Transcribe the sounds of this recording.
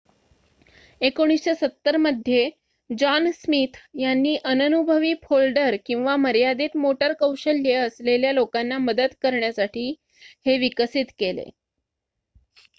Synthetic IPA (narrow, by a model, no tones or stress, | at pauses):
ekoɽ̃isɕasət̪ːəɾməd̪ʱːje | d͡ʑansmiːt̪janːiːʔənənubʱəʋiːfʰolɖəɾkĩw̃ʋaməɾjad̪et̪moʈəɾkəwɕəlːeəsleljalokanːaməd̪əd̪kəɾɳjasaʈʰiː | heʋikəsit̪kelḛ